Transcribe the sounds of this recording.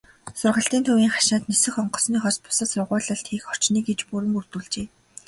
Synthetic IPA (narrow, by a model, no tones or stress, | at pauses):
sʊrʁə̆ɬt̪iːnt̪ʰuwiːŋχḁʃaːt̪nesɘ̆xɔɴɢɞ̥̆sniːχɔspʊ̥sə̆sʊrʁʊːɮə̆ɬt̪xiːxɔr̥t͡ɕniːɡet͡ɕpuɾɘ̆murt̪uːɮt͡ɕeː